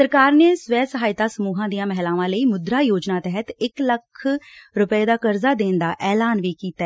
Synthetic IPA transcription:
səɾkaːɾneːsʋɛːsəɦaːɪt̪aːsəmuːɦãːd̪ijãːmɛɦlaːʋãːləiːmʊd̪ɾaːjoːd͡ʒnaːt̪ɛɦət̪ɪkləkʰɾʊpeːd̪aːkəɾzaːd̪eːnd̪aːʔɛːlaːnʋiːkiːt̪aɛ

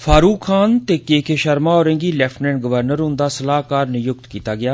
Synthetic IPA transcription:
fʰaːɾuːkʰːaːnt̪eːkeːkʰeːʃəɾmaːɔːɾɪ̃ŋɡiːlɛːpʰʈnɛ̃ːɳʈɡəʋəɾnəɾʊ̃nd̪aːsəlaːɦkaːɾneːjʊk̚t̪kiːt̪aːɡɪjaː

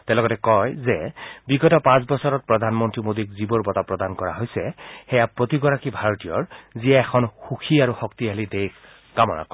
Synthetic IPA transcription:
tɛ̃lɔɡɔtɛkɔjzɛbiɡɔtɔpãs̬bɔsɔɹɔt̚pɹɔdʱanmɔntɹimodikzibɔɹbɔtapɹɔdankɔɹa̰ɦojsɛxɛjapɹotiɡɔɹakibʱaɹɔtijɔɹzijaɛxʰɔnxuxʰiaɹuxɔktiɦalidejk | ɡamɔna̰kɔ

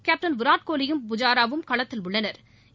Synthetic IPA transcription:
kaːp̚ʈɐnʋɪɾaːʈ̚koːlɪjɯmpʊd͡ʒaːɾaːʋɯmkɐɭɐt̪ːɪlʊɭːɐnɐɾ

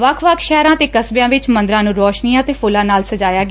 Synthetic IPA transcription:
ʋəkʰʋəkʰʃɛːɾãːt̪eːkəsbjãːʋɪt͡ʃmə̃nd̪ɾãːnũːɾɔːʃnijãːt̪eːpʰʊlãːnaːlsəd͡ʒaːjaːɡaː

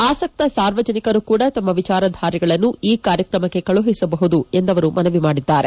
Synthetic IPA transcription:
aːsɐk̚t̪ɐsaːɾʋɐd͡ʒɐnikɐɾukuːɽɐt̪ɐmːɐʋit͡ʃaːɾɐd̪ʱaːɾiɡɐɭɐnːuiːkaːɾjɐkɾɐmɐkːe̞kɐɭuɦisɐbɐɦud̪ue̞nd̪ɐʋɐɾumʔɐnɐʋimaːɽid̪ːaːɾe

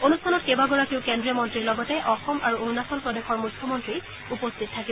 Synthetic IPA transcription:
onustʰanɔtkebaɡɔɹakiʊ̃kendɹijɔmɔntɹiɹlɔɡɔtɛʔɔxɔmʔaɹuunasɔnpɹɔdexɔɹmujkʰːjɔmɔntɹi | upostʰit̚tʰːaki

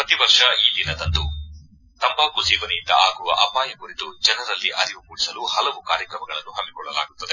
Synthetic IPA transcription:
pɾɐt̪iʋɐɾʂɐiːd̪inɐd̪ɐnd̪u | t̪ɐmbaːkud͡ʒiːʋɐnejind̪ɐʔaːɡuʋɐ̰ʔɐpaːjɐkuɾit̪ud͡ʒɐnɐɾɐlːiʔɐɾiʋumuːɽisɐluhɐlɐʋukaːɾjɐkɾɐmɐɡɐɭɐnːuɦɐmːikɔɭːɐla̰ːɡut̪ːɐd̪e̞

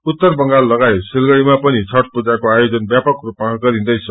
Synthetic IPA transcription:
ut̪ːʌrbʌŋɡalːʌɡajsilɡʌɽimapʌnit͡sʰʌrʈ̚pud͡zakoajod͡zʌnbjapʌkrupmaɡʌɾĩnd̪ʌjt͡sʰʌ

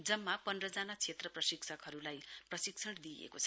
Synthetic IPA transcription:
d͡zʌmːapʌndrʌd͡zanat͡sʰet̪rʌprʌsiksʰʌkɦʌɾulajprʌsiksʰʌɽd̪iḛkot͡sʰʌ

